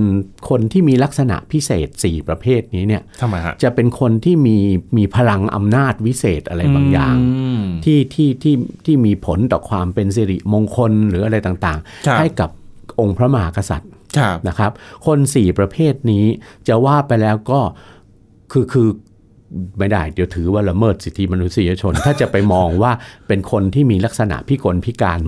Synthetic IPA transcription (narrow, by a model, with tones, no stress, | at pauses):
nkʰo˧nt̪ʰiː˥˩miː˧la˦˥k̚sa˧na̰˨˩ʔpʰi˦˥sḛː˨˩t̪̚siː˨˩pɾa˧pʰeː˥˩t̪̚niː˦˥ni˥˩ɐ˧˦t͡ɕa˨˩ʔpe˧nkʰo˧nt̪ʰiː˥˩miː˧miː˧pʰa˧la˧ŋʔa̰˧mnaː˥˩t̪̚wi˦˥seː˨˩t̪̚ʔa˧ɾa˧jbbaː˧ŋja̰ː˨˩ŋʰiː˥˩t̪ʰiː˥˩t̪ʰiː˥˩t̪ʰiː˥˩miː˧pʰo˩˦nt̪ɔː˨˩kʰwaː˧mpe˧ns̬i˧ɾḭ˨˩ʔmoː˧ŋkʰo˧nɾɯː˩˦a˧ɾa˧jt̪aː˨˩ŋt̪aː˨˩ŋha˥˩jka˨˩p̚ʔo˧ŋpʰɾa˦˥ma˧ɦaː˩˦˥ka˧sa̰˨˩t̪̚ʰna˦˥kʰɾa˦˥p̚kʰo˧nsiː˨˩pɾa˧pʰeː˥˩t̪̚niː˦˥t͡ɕa˨˩waː˥˩pa˧jlɛː˦˥wkɔː˥˩ | kʰɯː˧kʰɯː˧ | ma˥˩jda˥˩jdi˧t̪ʰɯː˩˦waː˥˩la˧mɤː˥˩t̪̚si˨˩t̪ʰːi˦˥ma˧nu˦˥t̪̚si˧ja˧t͡ɕʰo˧nt̪ʰaː˥˩t͡ɕa˨˩pa˧jmɔː˧ŋwaː˥˩pe˧nkʰo˧nt̪ʰiː˥˩miː˧la˦˥k̚sa˧na̰˨˩ʔpʰiː˥˩ko˧npʰi˦˥kaː˧n